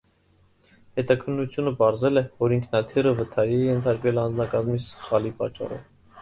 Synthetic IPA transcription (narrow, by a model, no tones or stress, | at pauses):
hɛt̪ɑkʰənːut͡sʰjunəpɑɾzɛlɛvɔɾiŋkʰnɑt̪ʰirəvət̪ʰɑɾiɛjɛnt̪ʰɑɾkvɛlɑnd͡znɑkɑzmisə̥χɑlipɑ̰t͡ʃːɑ̰rɔ̰v